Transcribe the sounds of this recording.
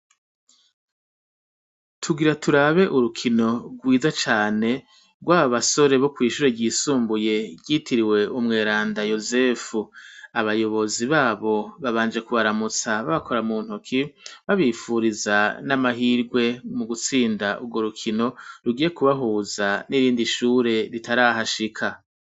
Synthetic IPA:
tʰuɡiɾatʰuɾaβe̞ʔuɾukʰino̞ɡwiːzat͡ʃaːne̞ | ɡwaːβaβaso̞ɾe̞βo̞kwiːʃuɾeɟiːsuːmbuje̞ɟitiɾiwe̞umŋe̞ːɾaːndajo̞ze̞fuaβajo̞βo̞ziβaːβo̞βaβaːnd͡ʒe̞kuβaɾamut͡saβaβakʰo̞ɾamuːn̥hokʰiβaβiːfuɾizanamaɦiːɾɡwe̞muɡut͡siːndaʔuɡɡwo̞ɾukʰino̞ɾuɡiːje̞kuβaɦuːzaniɾiːndiʃuːɾe̞ɾitaɾaːɦaʃikʰa

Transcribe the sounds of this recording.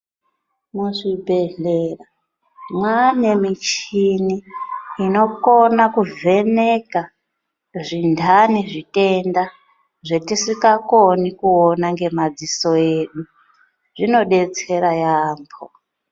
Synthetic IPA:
muʐibʱeɮera | mwane̞mit͡ʃiniː | no̞ko̞nakuve̞neka | ʐindʱaniʐite̞nda | ʐetisikakonikuonaŋɡe̞mad͡ziso̞eɗu | ʐino̞ɗe̞t͡se̞ɾajaːmbʰo

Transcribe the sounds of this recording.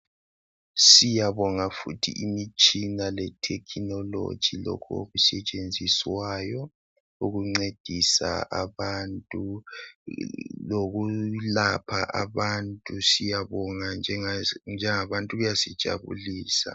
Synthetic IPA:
sijaβɔŋafutʰḭʔimit͡ʃʼinalɛtʰɛkʰinɔlo̰d̥ʒ̥ʱilo̰kʰuo̰ɣusɛt͡ʃʼend͡zʱiswaːjɔ | uɣuŋ͡ǀed̥ʱisa̰ʔaβantʼu | loɣulapʰa̰ʔaβantʼusijaβɔŋand͡ʒʱɛnd͡ʒʱɛŋaβantʼuɣujasid̥ʒ̥ʱa̰βṵliːsa̰

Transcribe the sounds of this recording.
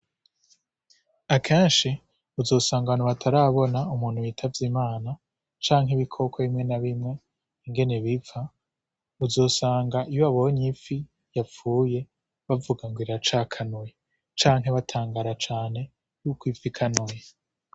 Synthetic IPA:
akʰeːnʃi | uzo̞ːsaːŋɡaβanuβatʰaɾaːβo̞naumuːn̥huwitʰavjimaːna | t͡ʃaːŋɦiβikʰo̞kʰoβimŋe̞naβimŋe̞ | iŋɡe̞neβifa | uzo̞ːsaːŋɡaʔijoaβoɲifi | jap͡fuːje̞ | βavuɡaŋɡwiɾat͡ʃakʰanuje | t͡ʃaːŋɦeβatʰaːŋɡaɾat͡ʃaːn̥he̞ | jukwifikʰanoje

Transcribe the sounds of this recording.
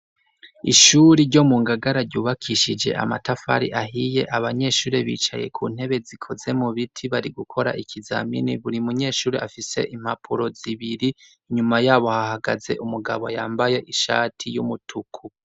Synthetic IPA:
iʃuːɾiɾɟo̞muːŋɡaɡaɾaɾɟuːβakʰiʃid͡ʒe̞̰ʔa̰matafa̰ɾḭʔaɦije̞ʔaβaɲe̞ːʃuːɾeβḭːt͡ʃa̰jekʰṵːn̥he̞βe̞zikʰo̞ze̞muβitʰiβaɾiɡukʰo̞ɾa̰ʔikʰiza̰mḭniβuɾimuɲe̞ːʃuːɾḛʔafise̞̰ʔim̥hapʰuɾo̞ziβiɾi | iɲumajaːβohahaɡaze̞̰ʔumuɡa̰βoajaːmbaje̞ʔiʃa̰ːtʰijumutʰukʰu

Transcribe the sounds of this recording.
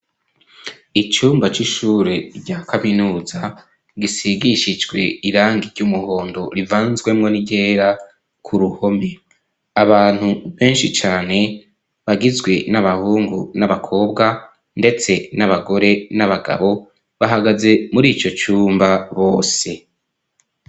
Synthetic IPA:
it͡ʃuːmbat͡ʃiʃuːɾeɟaːkʰaminuːza | ɡisiɡiʃid͡ʒɡwe̞̰iɾaːŋɡiɾɟumuho̞ːndo̞ɾivaːnzɡwe̞mŋo̞niɟeːɾa | kʰuɾuho̞me | aβaːn̥huβe̞ːnʃit͡ʃaːne̞ | βaɡizɡwe̞naβahuːŋɡunaβakʰo̞ːbɡa | nde̞t͡se̞naβaɡo̞ɾe̞naβaɡa̰βo̞ | βaɦaɡaze̞muɾiːt͡ʃo̞t͡ʃuːmbaβo̞ːse̞

